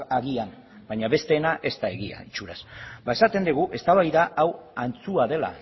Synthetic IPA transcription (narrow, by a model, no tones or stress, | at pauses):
aɣian | baɲaβe̞st̪e̞ːnaʔe̞st̪ae̞ɣia̰it͡ʃuɾasbae̞sat̪e̞nd̪iɣ̞uʔe̞st̪aβajðaʔawant͡suaðe̞la̰